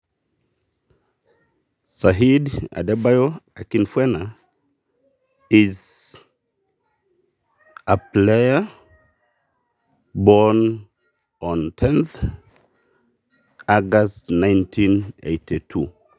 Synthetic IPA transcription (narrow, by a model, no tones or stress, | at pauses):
saɦida̰dɛbajoakinfwɛna | iz | əplejə | bɔn | ɔ̃ntʰɛ̃nθ | aɡastnãɪ̃ntʰĩnḛtʰitʰṵ